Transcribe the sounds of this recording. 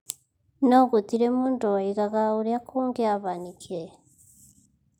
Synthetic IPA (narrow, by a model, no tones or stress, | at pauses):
noɡutiɾemundoiɣaɣauɾjakʰuːŋɡeaβanikʰiɾe